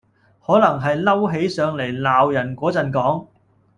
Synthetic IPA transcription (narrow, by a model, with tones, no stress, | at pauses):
hɔː˨˥lɐ˨˩ŋɦɐ˨jlɐ˥wɦe˨˥jsœː˨˧ŋle˨˩jlaː˨wjɐ˨˩nkʷɔː˨˥t͡sɐ˨nkɔː˨˥ŋ